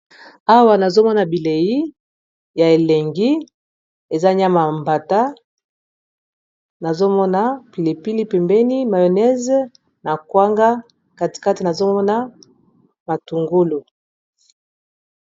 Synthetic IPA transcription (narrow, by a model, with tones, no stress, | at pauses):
a˦wa˨na˨zo˦mɔ˦na˨bi˨le˨ji˦ | ja˨e˨lɛ˨ŋɡi˦ | e˨za˦ɲa˦ma˨mba˨ta˦ | na˨zo˦mɔ˦na˨pi˨le˨pi˦li˦pɛ˨mbɛ˦ni˦ma˨jo˨nɛ˦z | na˨kwa˦ŋɡa˦ | ka˨ti̥˨ka˦ti˨na˨zo˦mɔ˦na˦ | ma˨tu˨ŋɡu˦lu˨